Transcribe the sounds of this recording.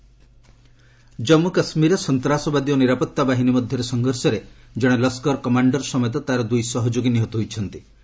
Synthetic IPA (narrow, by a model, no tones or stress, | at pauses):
d͡ʒɔmːukasmiɾɔsɔnt̪ɾasɔbad̪iɔniɾapɔt̪ːabaɦinimɔd̪ʱjɔɾesɔŋɡʱɔɾsɔɾe | d͡ʒɔɽ̃elɔskɔɾkɔmaɳɖɔɾsɔmɔjɔt̪̬ɔt̪aɾɔd̪ujsɔɦɔd͡ʒoɡiniɦot̪ɔɦojt͡ʃʰɔnt̪i